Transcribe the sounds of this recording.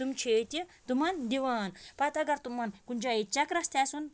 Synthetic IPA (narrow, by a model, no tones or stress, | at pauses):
t̪umt͡ʃʰeːt̪it̪umɐnd̪iʋaːnpɐt̪ɐɡɐɾt̪umːɐnkunʲd͡ʒait͡ʃɐkɾɐst̪ʰaːsun